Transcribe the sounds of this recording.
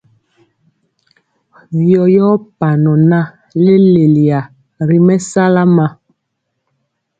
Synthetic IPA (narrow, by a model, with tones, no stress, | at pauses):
vjɔ˨jɔ˦pa˨nɔ˨na˦ | le˦le˨li˨a˨ | ɾi˨mɛ˦sa˦la˦ma˦